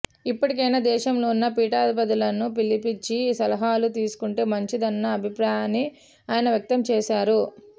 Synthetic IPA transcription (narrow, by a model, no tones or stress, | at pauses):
ipːɐʈikɐjnaːd̪ɛːʃɐmloːunːɐpiːʈaːd̪ɐpɐd̪ulɐnupilːipit͡ʃːisɐlɐɦaːlut̪iːsu̥kuɳʈe̞ːmɐɲt͡ʃid̪ɐnːɐːbʱipɾaːjaːni | aːjɐnɐʋjɐk̚t̪ɐmt͡ʃɛːʃaːɾu